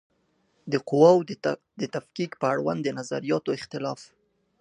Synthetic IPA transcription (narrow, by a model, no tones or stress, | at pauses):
d̪əqʊwaw | d̪ət̪afkikpəaɽwa̰nd̪ənaza̰ɾijɑt̪oɪxt̪ɪlɑf